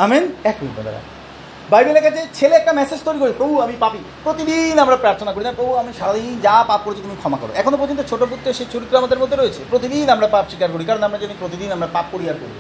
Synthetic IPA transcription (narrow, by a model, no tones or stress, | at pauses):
aminɛkbʱikno̰d̪a̰ɾa̰ | bajbelɛkat͡ɕʰet͡ɕʰeleɛk̚ʈamɛsed͡ʑt̪ojɾikoɾipɾobʱuamipapi | pɾot̪id̪inamɾapɾaɾt̪ʰonakoɾinapɾobʱuamiʃaɾad̪ind͡ʑapap̚koɾeit̪umikʰɔmakɔ̰ɾo̰ʔɛkʰonopoɾd͡ʑont̪ot͡ɕʰoʈop̬ut̪ːɾeʃejt͡ɕoɾit̪ːɾoamad̪eɾmod̪ʱːeɾojet͡ɕʰepɾot̪̬id̪inamɾapapʃikaɾkoɾikaɾonamɾad͡ʑenipɾot̪id̪inamɾapap̚koɾiɦaɾko̰ɾi